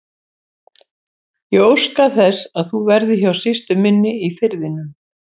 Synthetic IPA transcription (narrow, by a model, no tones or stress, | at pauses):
jɛɣowskaθɛsaðθuvɛɾðɪçawsɪst̪ʏmɪnːɪifɪɾðɪnʏm